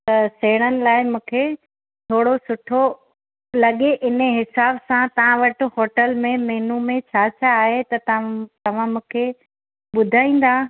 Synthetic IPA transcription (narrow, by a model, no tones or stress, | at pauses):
t̪ɐseːɽ̃ənɪ̆laːɪmũːkʰe | t̪ʰoːɽosʊʈʰo | lɐɠeʔɪnəɦɪsaːbsãt̪ɐʋ̤ãʋɐʈ̆ɦoːʈəlmẽmɛːnumẽt͡ɕʰaːt͡ɕʰaːɦet̪ɐt̪ɐʋ̤ãmũːkʰe | ɓʊd̪ʱaːĩːn̆d̪ãː